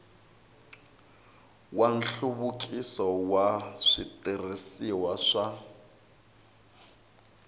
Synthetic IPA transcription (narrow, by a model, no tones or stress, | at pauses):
wan̩ɬuβukʼisɔwaʂitʼirisiwaʂa